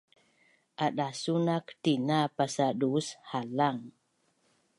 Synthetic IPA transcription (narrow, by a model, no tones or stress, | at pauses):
ʔaɗasunaktinapasaɗushalaŋ